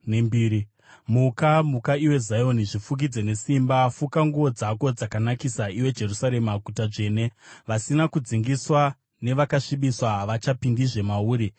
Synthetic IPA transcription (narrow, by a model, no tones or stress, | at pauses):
nembiːɾi | mukamukaiwe̞zajo̞niʐifuk̬id͡ze̞ne̞simbafukaŋɡuʋo̞d͡zako̞d͡zakanakisaiwe̞d͡ʒe̞rusaɾe̞maɡʱutaʐe̞ne̞ʋasinakud͡ziŋɡiswa | ne̞ʋakaʂiɓiswaʋat͡ʃapindiʐe̞mauːɾi